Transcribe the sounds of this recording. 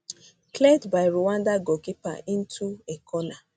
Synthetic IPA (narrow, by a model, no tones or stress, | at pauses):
kledbaɪɾuwandaɡokipa̰ʔĩn̩tʰuekʰɔna